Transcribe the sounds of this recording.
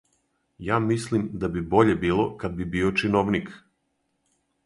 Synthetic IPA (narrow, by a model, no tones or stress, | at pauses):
jaːmislimd̪abibo̞ʎe̞biːlˠo̞kad̪̚bibiːot͡ʃinoʋnik